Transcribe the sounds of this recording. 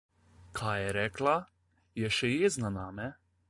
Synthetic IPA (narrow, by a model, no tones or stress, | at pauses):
kʰaːjɛɾɛːkla | jɛʃɛjeːznanaːmɛ